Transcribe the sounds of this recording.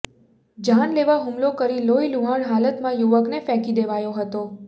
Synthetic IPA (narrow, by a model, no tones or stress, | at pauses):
d͡ʒanleʋaɦumlokəɾiloiluɦaɳɦalət̪mãjuʋəknefɛkid̪eʋajoɦət̪o